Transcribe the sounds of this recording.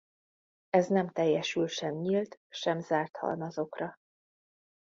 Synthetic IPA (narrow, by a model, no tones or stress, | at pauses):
ɛznɛmt̪ɛjːɛʃylʃɛmɲilt̪ʃɛmzaːrt̪hɒ̰lmɒzo̞krɒ